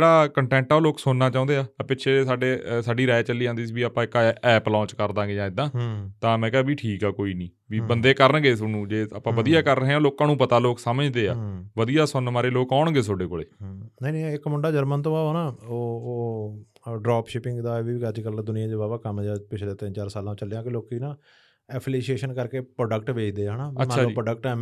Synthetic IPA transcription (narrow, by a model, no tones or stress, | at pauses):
d͡ʒeːɽaːkəɳʈɛ̃ːɳʈaoːloːksʊnːaːt͡ʃaːʊ̃nd̪eːaːpɪʃʰeːsaːɖeːsaːɖiːɾɛːɛt͡ʃəlːiːãːnd̪iːsiːbiːaːpãːɪkːaɛːplɔ̃ːɲt͡ʃkəɾd̪ãːɡeːd͡ʒãːɪd̪ːãːt̪ãːmɛ̃ːkɛaːbiːʈʰiːkɛːkoːiːnĩː | biːbənd̪eːkəɾənɡeːsənũːd͡ʒeːapãːʋəd̪ijaːkəɾəɦẽːloːkãːnũːpət̪aːloːksəməd͡ʒd̪eːa̰ːʋəd̪ijaːsʊnmaːɾeːloːkɔːɳɡeːs̬oːɖeːko̰ːɭḛːnəːnĩɪkmʊɳɖaːd͡ʒəɾmənt̪̬õːaːnaːoː | ɖɾaːpʃɪpɪŋɡd̪aːʋiːəd͡ʒkəld̪ʊnɪjãːd͡ʒeːbaːbaːkəmːd͡ʒaːpɪt͡ʃʰleːt̪ɪ̃nt͡ʃaːɾsaːlãːt͡ʃəlejãːkɪloːkiːnãː | ɛːpʰliːʃeːʃənkəɾkeːpɾoːɖəkʈʋeːt͡ʃʰd̪eːaːnaːbəmɛt͡ʃːʰaːud͡ʒiːpɾːɖək̚ʈɛ